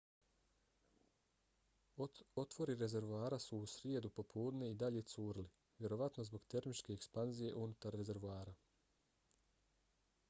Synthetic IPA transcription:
o̞t̪ʋo̞ɾiɾe̞ze̞ɾʋuaːɾasuːsɾje̞d̪upo̞pʰuːd̪ne̞id̪aʎe̞t̪suːɾili | ʋje̞ɾo̞ʋat̪no̞zbo̞ɡt̪e̞ɾmit͡ʃke̞ːkspanzije̞ʔunut̪aɾːe̞ze̞ɾʋuaːɾa

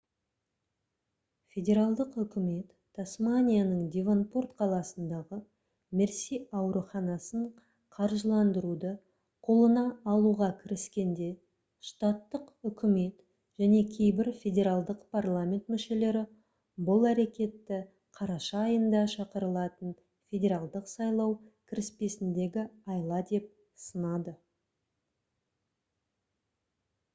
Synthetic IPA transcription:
fʲe̞dʲe̞ɾalˠd̪əqʏkʲɪme̞t̪ʰː | asmanʲijanəɴd̪ʲevonport̪qʰɑlˠɑsənd̪ɑʁə | me̞ɾsijɑwɾuχɑnɑsəɴ | qʰɑɾʒəlˠɑnd̪əɾud̪ə | qʰo̞lˠənɑːlˠuʁɑkʲʰɪɾɪskʲe̞nd̪e̞ | ʃt̪at̪ːəqʏkʲʰɪme̞t̪ | ʒ̥æne̞kʲʰe̞jbɪɾfʲe̞dʲe̞ɾalˠd̪əqpʰarlˠamʲe̞nt̪mʏʃe̞le̞ɾɪ | bʊlˠæɾe̞kʲe̞t̪ːɪ | qʰɑɾɑʃɑːjənd̪ɑʃɑqəɾəlˠɑt̪ən | fʲe̞dʲe̞ɾalˠd̪əqsɑjlˠɑwkʲʰɪɾɪspe̞sɪnd̪e̞ɡʲɪɑjlˠɑd̪e̞p̚ | sənɑd̪ə

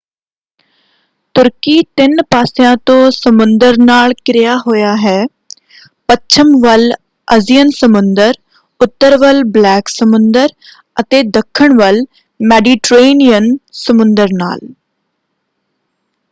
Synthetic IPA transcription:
t̪ʊɾkiːt̪ɪnpaːsɪjãːt̪õːsəmʊnd̪əɾnaːlkɾɪjaːɦoːjaːɦɛː | pət͡ʃʰəmʋəl | əzijənsəmʊnd̪əɾ | ʊt̪ːəɾʋəlblɛːksəmʊnd̪əɾ | ət̪eːd̪əkʰːəɳʋəl | mɛːɖiːʈɾeːnijənsəmʊnd̪əɾna̰ːl

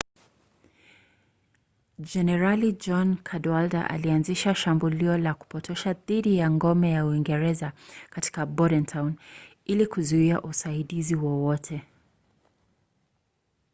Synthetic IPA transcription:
d͡ʒɛnɛɾalid͡ʒɔnkʰadwalda̰ʔa̰lianziʃaʃambuliɔlaku̥pɔtʰɛʃaðiɗijaŋɡɔmɛjauiŋɡɛɾɛzakati̥kabɔɾɛntʰawn | ilikuzuiaʔusaiɗiziwɔwɔtʰɛ

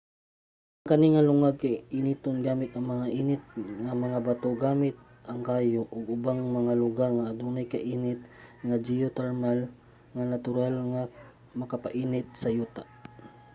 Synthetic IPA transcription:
ʔɐŋkɐniŋalʊŋaɡ̚kajʔɪnit̪onɡaːmɪt̪ɐŋmɐŋaʔiːnɪt̪̚ŋamɐŋabat̪oɡaːmɪt̪̚ | ɐŋkaːjoʔʊɡ̚ʊbaŋmɐŋalʊɡaɾŋaːd̪unajkaʔiːnɪt̪̚ŋad͡ʒijot̪ɛɹmal | ŋanat̪ʊɾalŋa | mɐkapaʔiːnɪt̪̚sɐjuːt̪aʔ

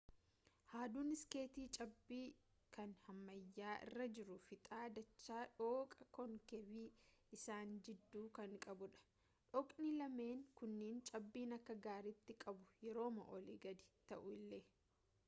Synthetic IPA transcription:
haːd̪uːnɪskeːt̪iːt͡ʃʼɐbːiː | kɐnhɐmːɐjːaːʔɪ̰rːɐd͡ʒɪɾʊfɪt̪ʼaːd̪ɐt͡ʃːaːᶑoːkʼɐkɔŋkɛbiːɪsaːnd͡ʒɪd̪ːuːkɐŋkʼɐbʊᶑɐ̥ | ᶑɔkʼnɪlɐme̞ːŋkʊnːeːnt͡ʃʼɐbːiːnɐkːɐɡaːɾɪt̪ːɪkʼɐbʊjɛɾo̞ːmɐʔɔliɡɐd̪ɪ̥t̪ɐʔʊɪlːeː

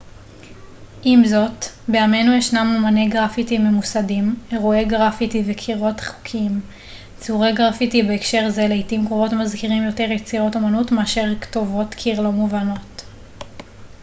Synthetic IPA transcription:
ʔimzo̞tbeame̞nujeʃnamumaneɡʁafitime̞musadime̞ʁueɡʁafitivekʰiʁo̞tχu̥kʰim | t͡suʁeɡʁafitibeːkʃe̞ʁzeleitimkʁovo̞tmazkiʁimjo̞te̞ʁjet͡siʁo̞to̞manutmeaʃe̞ʁkto̞vo̞tkʰiʁlomuvano̞t

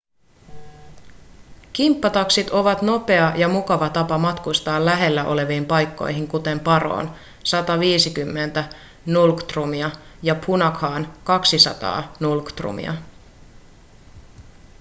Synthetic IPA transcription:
k̟impːɑt̪ɑksit̪o̞ʋɑt̪no̞pe̞ɑjɑmukɑʋɑt̪ɑpɑmɑt̪kust̪ɑːlːæɦe̞lːæʔo̞̰le̞ʋiːmpɑjkːo̞̰jɦiŋkut̪e̞mpɑro̰ːn | sɑt̪ɑʋiːsikymːe̞nt̪æ | nulkt̪rumiɑjɑpʰunɑkhɑːnkɑksisɑ̰t̪ɑ̰ːnulkt̪rṵmḭɑ̰

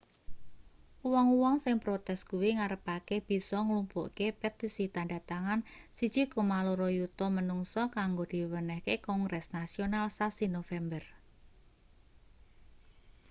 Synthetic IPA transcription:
uwɔŋuwɔŋsɪŋpɾot̪ɛst̪̚kuwiŋaɾəpakeb̥i̤sɔŋlumpṵʔkepet̪isit̪andat̪aŋansid̥d͡ʒ̥ikomaloɾɔjut̪ɔmənuŋsɔkaŋɡod̪̥i̤wənəhkekɔŋɡɾɛsnasionalsasinofɛmbər

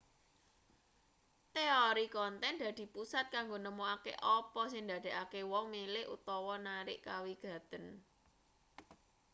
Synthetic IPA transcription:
t̪eɔɾikɔnt̪ɛnd̪ä̤d̪̥i̤pusat̪̚kaŋɡonəmoakḛʔɔpɔsɪŋd̪ä̤d̪̥e̤akewɔŋmilɪhʔṵt̪ɔwɔnaɾɪʔkawiɡ̥ä̤d̪̥ən

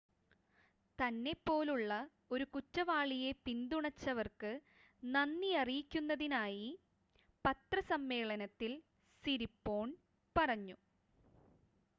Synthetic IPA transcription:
t̪ɐnːe̞pːo̞ːluɭːɐ | o̞ɾukutːɐʋaːɭije̞pind̪uɳɐt͡ɕːɐʋɐrkɨ | nɐnːiɐrijikʲːunːɐðinaːji | pɐt̪rɐsɐmːe̞ːɭɐnɐt̪ːil | siɾipːo̞ːɳ | pɐrɐɲːu

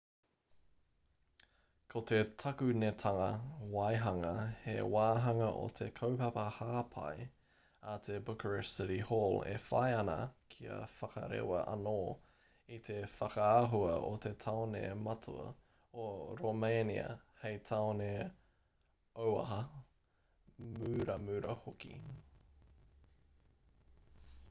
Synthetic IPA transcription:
kʰot̪et̪ʰɐkʉnet̪ʰɐŋɐwajɦɐŋɐhḛwaːɦɐŋɐʔo̰t̪ʰekʰowpɐpɐhaːpʰɐ̰j | at̪ʰebʊkəɹəsɪɾihoːlḛfa̰jɐnɐ̰kʰiɐ̰fɐkɐ̰ɾḛwɐ̰ʔɐ̰noː | it̪ʰefɐkɐaɦuɐʔot̪ʰet̪ʰaonḛmɐtʰuɐ̰ | oɾomejnḭɐ̰hejt̪ʰaone | owɐ̰ɦɐ | mʉɾɐmʉɾʔɐ̰hokḭ

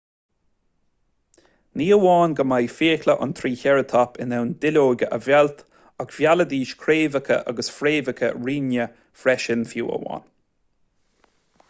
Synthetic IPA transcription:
niːəwɑːnɡəmajfeːkləʔʊ̰nt̪ʰɾiːçɛɹət̪ʰɔpʰɪnɛwnd̪ɪloːɡəʔəvɛlt̪ | akv̥jaləd̪iːʃkʰɾeːvəkʰə̰ʔa̰ɡəsfɾeːvəkʰə̰ɹiːnjə | fɾɛʃɪnfjṵːə̰wɑ̰ːn

